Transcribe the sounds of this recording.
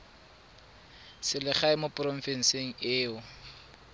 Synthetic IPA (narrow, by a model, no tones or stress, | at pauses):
sɪlɪχaɪmopʼrɔɱ̩fɛn̩seŋ̩ɪːʊ